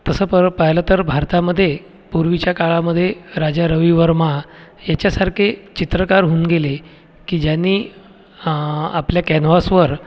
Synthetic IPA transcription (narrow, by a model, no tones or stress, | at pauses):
t̪əsəːpəpəɦilat̪əɾbʱaɾt̪aməd̪ʱːje | puɾʋit͡ɕjakaɭaməd̪ʱːjeɾad͡ʑaɾəʋiʋəɾmajat͡ɕjasaɾkʰet͡ɕit̪ɾəkaɾɦuːnɡele | kiːd͡ʑjanːiː | apljakɛnʋasʋəɾ